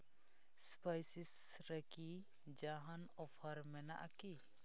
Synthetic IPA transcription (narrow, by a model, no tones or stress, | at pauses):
spajsis | ɾəki | d͡ʒaɦanɔpʰəɾmɛna̰ʔa̰ki